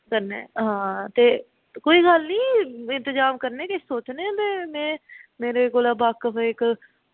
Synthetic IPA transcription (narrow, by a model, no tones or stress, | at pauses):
kəɾnḛ̃ɦãːt̪eː | koːiɡəlnĩːɪ̃nt̪əzaːmkəɾneːkesoːt͡ʃnẽt̪emɛ̃ːmeːɾeɡolaːbaːkːəpɪk